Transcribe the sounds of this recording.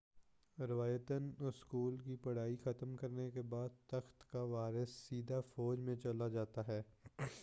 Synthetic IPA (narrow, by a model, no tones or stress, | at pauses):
ɾɪʋaːjət̪ənʊskuːlkipɐɽ̤aːixɐt̪əmkɐɾnekebaːd̪̚t̪ɐxt̪kaʋaːɾɪsːiːd̪afɔːd͡ʒmẽt͡ʃɐlad͡ʒaːt̪aɦɛː